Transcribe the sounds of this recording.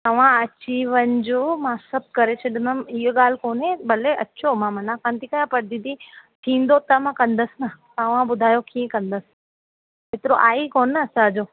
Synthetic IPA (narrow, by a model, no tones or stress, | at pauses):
t̪ɐʋ̤ãɐt͡ɕiʋənɪ̆d͡ʑoːmãsɐb̚ʱkɐɾet͡ɕʰɐɗɪməmɪɦoɠaːl̤ɪkoːnẽbɐleʔɐt͡ɕʰomãmɐnãkãnt̪ikɐjãpɐɾd̪ĩd̪it̪ʰĩːn̆d̪ot̪ɐmãkɐ̃nd̪əsɪnat̪ɐʋ̤ãɓʊd̪ʱaːjokiẽkɐ̃nd̪əsɪ̥ | eːt̪ɪɾoʔaːikoːnɐsãd͡ʑoː